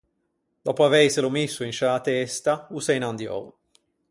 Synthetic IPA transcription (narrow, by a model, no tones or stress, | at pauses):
d̪̥ɔːpoavɛjselomisːʊinʃalat̪ɛst̪ausejnand̪jɔ̰w